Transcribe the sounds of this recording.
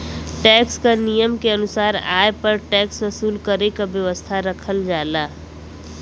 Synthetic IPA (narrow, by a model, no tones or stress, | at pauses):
ʈɛːkskanijəmkeənʊsaːɾa̰ːepɐɾʈɛːksʋəsuːlkəɾekaʋjəʋəst̪ʰaɾəkʰəld͡ʒaːlaː